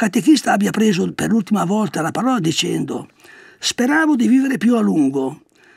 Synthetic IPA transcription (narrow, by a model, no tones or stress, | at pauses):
kat̪ekist̪aabjapɾeːzoperlult̪imavɔlt̪alapaɾɔːlad̪it͡ʃɛnd̪o̰ | speɾaːvod̪iviːveɾepjualuŋɡo